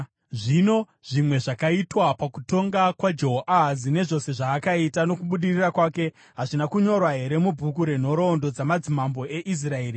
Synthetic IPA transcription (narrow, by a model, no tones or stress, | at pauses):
ʐino̞ | ʐ̥imwe̞ʐakaitwapakuto̞ŋɡakwad͡ʒoɦoʔazine̞ʐo̞se̞ʐaːkaitano̞kuɓuɗirirakwaːke̞ | ɦaʐinakuɲo̞rwaɦe̞ɾe̞mubʱukuɾe̞n̤o̞ɾo̞ːndo̞d͡zamad͡zimambo̞ʔe̞ʔis̬raeːri